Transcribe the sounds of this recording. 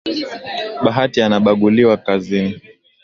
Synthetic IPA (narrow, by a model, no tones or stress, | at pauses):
ɓaɦatianaɓaɡuliwakazini